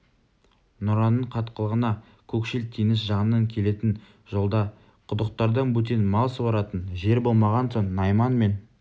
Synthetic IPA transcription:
nʊɾɑnəɴqʰɑt̪qəlˠəʁənɑ | kʲʰɵkʃɪlt̪ʰijnɪsʒɑɴənːɑŋkʲʰe̞le̞t̪ɪn | ʒ̥o̞lˠd̪ɑ | qʰʊd̪əq̚t̪ɑɾd̪ɑnbɵt̪e̞nmɑlˠsəbɑɾɑt̪ənʒe̞ɾbo̞lˠmɑʁɑnsoɴːɑjmɑnme̞n

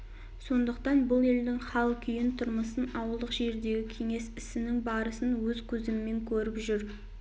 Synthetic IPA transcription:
so̞nd̪əqt̪ɑnbʊlˠe̞ld̪ɪŋχɑlˠkʲʰʏjɪnt̪ʰʊɾməsənɑwəlˠd̪əqʒe̞ɾd̪e̞ɡʲɪkʲʰe̞ŋe̞sɪsɪnɪŋbɑɾəsənwɵzkʲʰɵzɪmːe̞ŋkʲʰɵɾɪpʒʏɾ

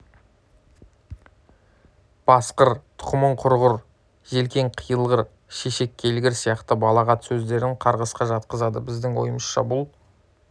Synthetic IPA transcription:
b̥ɑsqəɾt̪ʰʊ̥qəməɴqʰʊɾʁʊɾ | ʒe̞lkʲe̞ɴqʰijəlˠʁəɾ | ʃe̞ʃe̞kʲʰːe̞lɡʲɪɾsijɑqt̪əbɑlˠɑʁɑt̪sɵzd̪e̞ɾɪŋqʰɑɾʁəsqɑʒɑt̪̚qəzɑd̪əbɪzd̪ɪŋwo̞̰jəməsʃɑbʊlˠ

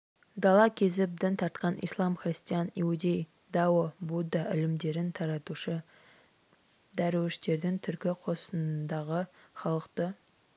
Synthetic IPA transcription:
d̪ɑlˠɑkʲʰe̞zɪp̚d̪ɪnt̪ʰɑɾt̪qɑnʔḭslˠɑmχrist̪ijɑniud̪ʲe̞j | d̪ɑwəbud̪ɑʔɪlɪmd̪e̞ɾɪnt̪ʰɑɾɑt̪uʃə | d̪æɾwɪʃt̪e̞ɾd̪ɪŋt̪ʰʏɾkʲɪqʰo̞sənd̪ɑʁəχɑlˠəqt̪ə

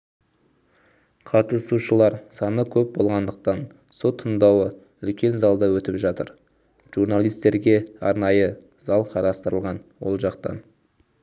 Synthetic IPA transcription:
qʰɑt̪əsuʃəlˠɑɾsɑnəkʲʰɵp̚bo̞lˠʁɑnd̪əq̚t̪ɑn | so̞t̪ʰːənd̪ɑwə | ʏlkʲe̞nzɑlˠd̪ɑwɵt̪ɪpʒɑt̪əɾ | ʒ̥uɾnalˠijst̪e̞ɾɡʲe̞ɑɾnɑjə | zɑlˠqʰɑɾɑst̪əɾəlˠʁɑnwo̰lˠʒɑqt̪ɑ̰n

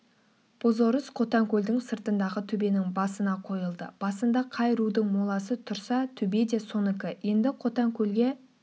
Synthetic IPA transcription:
b̥ozo̞ɾəsqʰo̞t̪ɑŋkʲʰɵld̪ɪŋsəɾt̪ənd̪ɑʁət̪ʰɵbe̞nɪŋbɑsənɑqʰo̞jəlˠd̪ə̰b̥ɑsənd̪ɑqʰɑjɾud̪əŋmolˠɑsət̪ʰʊɾsɑt̪ʰɵbe̞d̪e̞so̞nɪkʲɪje̞nd̪ɪqʰo̞t̪ɑŋkʲʰɵlɡʲe̞

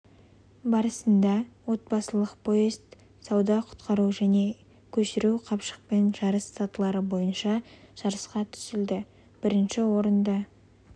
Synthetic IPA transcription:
bɑɾəsənd̪ɑwo̞t̪̚bɑsəlˠəqpʰo̞izt̪ | sɑwd̪ɑqʰʊ̥t̪qɑɾuʒæne̞ | kʲʰɵʃɪɾuqʰɑpʃə̥q̚pe̞nʒ̥ɑɾəsːɑt̪əlˠɑɾəbo̞jənʃɑʒ̥ɑɾəsqɑt̪ʰʏ̥sɪld̪ɪ | b̥ɪɾɪnʃɪwo̞ɾənd̪ɑ

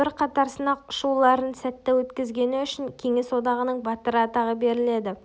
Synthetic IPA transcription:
ɪɾqʰɑt̪ɑɾsənɑʊʃulˠɑɾənsæt̪ːewɵt̪kʲɪzɡʲe̞nɪʏʃɪŋkʲʰe̞ŋe̞swo̞d̪ɑʁənəɴbɑt̪əɾəɑt̪ɑʁəbe̞ɾɪle̞d̪ɪ

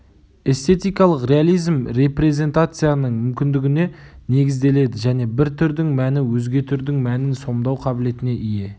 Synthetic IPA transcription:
e̞st̪e̞t̪ijkɑlˠəqre̞alʲˠijzmre̞pre̞zʲe̞nt̪at̪sɨjanəɴmʏmkʲɪnd̪ɪɡʲɪne̞ne̞ɡʲɪzd̪e̞le̞d̪ɪʒæne̞bɪɾt̪ʰʏɾd̪ɪŋmænɪwɵzɡʲe̞t̪ʰʏɾd̪ɪŋmænɪnso̞md̪ɑwqʰɑbɪle̞t̪ɪne̞ʔije̞

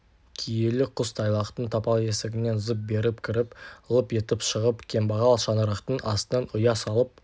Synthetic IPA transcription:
kʲʰijelɪqʰʊst̪ʰɑjlˠɑqt̪əɴt̪ʰɑpɑlˠe̞sɪɡʲɪne̞nʊzəp̚be̞ɾɪpkʲʰɪɾɪpəlˠəpe̞t̪ɪpʃəʁəpkʲʰe̞mbɑʁɑlˠʃɑnəɾɑqt̪əɴʔɑst̪ənɑnʊjɑsɑlˠəp̚

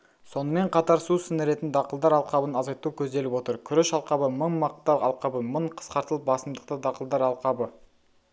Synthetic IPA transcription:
so̞nəme̞ɴqʰɑt̪ɑɾsusɪnɪɾe̞t̪ɪnd̪ɑqəlˠd̪ɑɾɑlˠqɑbənɑzɑjt̪ukʲʰɵzd̪e̞lɪpwot̪əɾkʲʰʏɾɪʃɑlˠqɑbəməɴmɑq̚t̪ɑɑlˠqɑbəməɴqʰə̥sqɑɾt̪əlˠəp̚bɑsəmd̪əq̚t̪əd̪ɑqəlˠd̪ɑɾɑlˠqɑbə

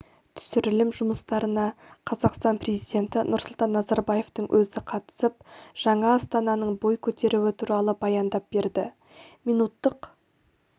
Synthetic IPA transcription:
t̪ʰʏ̥sɪɾɪlɪmʒʊməst̪ɑɾənɑqʰɑzɑqst̪ɑnpre̞zijd̪ʲe̞nt̪ɪnʊɾsʊlˠt̪ɑnːɑzɑɾbɑje̞ft̪əɴwʔɵzɪqʰɑt̪ə̥səp̚ʒ̥ɑɴɑːst̪ɑnɑnəɴbo̞jkʲʰɵt̪e̞ɾuwɪt̪ʰuɾɑlˠəbɑjɑnd̪ɑp̚b̥e̞ɾd̪ɪ | mijnut̪ːəq

